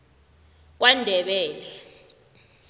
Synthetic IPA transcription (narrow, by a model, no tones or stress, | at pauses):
k̬wandʱɛɓɛːlɛ